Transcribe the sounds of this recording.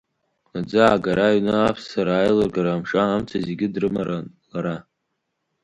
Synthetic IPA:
ad͡zaaɡaɾaɥnɨapʰssaɾaːjlɨrɡaɾaːmʂʼaamt͡sʰazeɡʲɪdrɨmaɾanlaɾa

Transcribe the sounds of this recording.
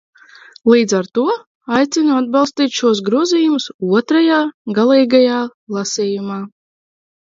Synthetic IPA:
lˠiːd̪zaɾt̪uɔ | ajt̪sinuad̪̚bɑlˠst̪iːt̪ʲʃuɔsɡɾuɔziːjumusuɔt̪ɾajaːɡalˠiːɡajaːlˠasiːjumaː

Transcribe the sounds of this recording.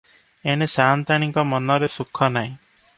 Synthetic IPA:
eɽ̃esaːnt̪aɽ̃iŋkɔmɔnɔɾesukʰːɔnaj̃

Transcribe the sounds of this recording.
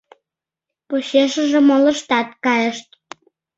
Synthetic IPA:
poɕeʃə̆ʒĕmolə̆ʃt̪ɑt̪kɑjə̆ʃt̪̚

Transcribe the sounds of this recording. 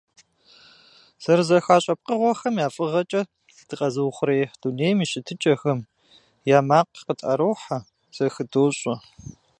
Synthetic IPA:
z̥ɐrzɐxaːɕʼɐp̚qəʁʷɔxɐmjaːfʼɨʁɐt͡ʃʼɐ | d̥ʰɨqʼɐzɨwχʷʊɾeːħd̥uneːjmiʃɪtʰɨt͡ʃʼɐxɐm | jaːmaːqqətʼɐ̰ɾowħa | z̥ɐxɨdoːɕʼɐ

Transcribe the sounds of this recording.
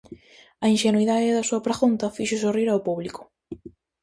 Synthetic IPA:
ɐinʃenuiðaðɪðɐsuɐpɾeɣunt̪ɐfiʃʊs̬oriɾawpuβlikʊ̥

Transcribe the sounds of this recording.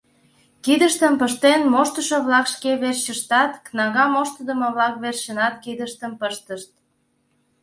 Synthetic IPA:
kid̪əʃt̪əmpəʃt̪enmoʃt̪əʃoβlɑkʃkeβerɕəʃt̪ɑt̪knɑɣɑmoʃt̪ə̆d̪ə̆məβlɑkβerɕənɑt̪̚kid̪əʃt̪əmpəʃt̪əʃt̪̚

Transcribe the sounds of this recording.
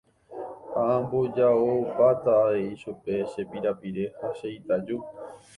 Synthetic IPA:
haãmbod͡ʒaoupat̪aːeiʃupe̞ʃe̞piɾapiɾe̞haʃejt̪ad͡ʒu

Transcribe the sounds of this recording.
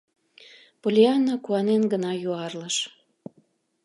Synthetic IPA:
polʲiɑnːokuɑnenɡənɑjuɑrləʃ

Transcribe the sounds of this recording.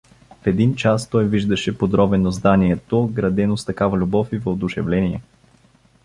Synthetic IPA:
fɛd̪int͡ʃast̪ɔjviʒd̪ɐʃɛpod̪ɾɔbɛnozd̪aniɛt̪oɡɾɐd̪ɛnost̪ɐkavɐlʲubɔfivod̪ʊʃɛ̰vlɛnʲiɛ

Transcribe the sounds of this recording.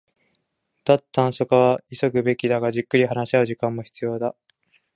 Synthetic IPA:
d̪̥at̪ːãɰ̃so̞kaβ̞aiso̞kɯ̟be̞kʲid̪aɡaʑɨkːɯ̟ɾʲihanaɕiaɯ̟ʑikãmːo̞çi̥t͡sɨjo̞ːd̪a

